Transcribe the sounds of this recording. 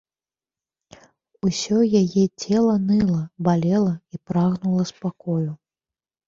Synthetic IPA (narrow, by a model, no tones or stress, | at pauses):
usʲɔjajɛt͡sʲɛlˠɐnɨlˠɐbalʲɛlˠɐipɾaɣnulˠɐspakɔju